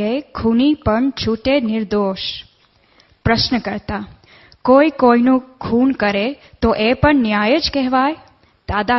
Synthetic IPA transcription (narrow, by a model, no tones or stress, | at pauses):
ekʰunipəɳt͡ʃʰuʈenɪɾd̪oʃ | pɾəʃnəkəɾt̪a | koikoinũkʰunkəɾet̪oʔepəɳnjajəd͡ʒkɛɦʋaj | d̪̥ad̪a